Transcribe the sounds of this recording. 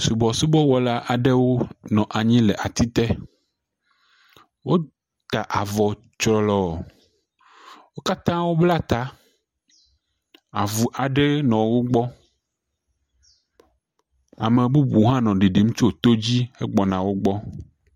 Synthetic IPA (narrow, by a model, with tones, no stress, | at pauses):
su˨bɔ˨su˦bɔ˦wɔ˦la˦ʔa˨ɖe˦wo˦nɔ̃˨ʔa˨ɲĩ˦lɛ˨ʔa˨t̪i˦t̪ɛ˦ | wo˦ | t̪a˨ʔa˨vɔ˨ | t͡ʃɾɔ˨lɔ˦˨ | wo˦ka˦t̪ã˦wo˦bla˦t̪a˦ | a˨vu˨ʔa˨ɖe˦nɔ̃˨wo˦ɡ͡bɔ˦ | a˨me˨bu˦bu˨ɦã˦nɔ̃˨ɖi˨ɖi˨mũ˦t͡ʃo˦˨t̪o˦d͡ʑi˦e˦ɡ͡bɔ˨nã˨wo˦ɡ͡bɔ˦